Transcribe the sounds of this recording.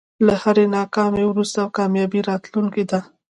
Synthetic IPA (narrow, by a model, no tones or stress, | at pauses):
lahaɾenɑkɑmewɾust̪awkɑmjɑbiɾɑt̪luŋkid̪a